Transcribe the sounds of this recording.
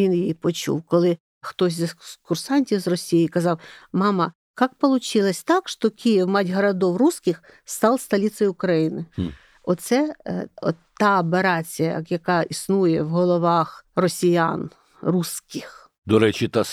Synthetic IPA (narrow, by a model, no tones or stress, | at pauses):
injjipɔt͡ʃṵwkɔlˠɪ | xt̪ɔsʲzʲkʊrsɑnʲtʲiwzrɔsʲijikɐzɑwmɑmɐ | kɑk̚pɔlˠʊt͡ʃɪlˠɐsʲt̪ɑkʃt̪ɔkʲijiwmɑdʲɦɐɾɐd̪ɔwruskʲɪx | st̪ɑlˠst̪ɐlʲit̪sɔjʊkɾɐjinɪ | ɔt̪sɛɔ̰t̪ɑɔpeɾɑt͡sʲijɐ̰jɐkɑisnujɛwɦɔlˠɔʋɑxrɔsʲijan | ruskɪx | d̪ɔɾɛt͡ʃʲit̪ɑs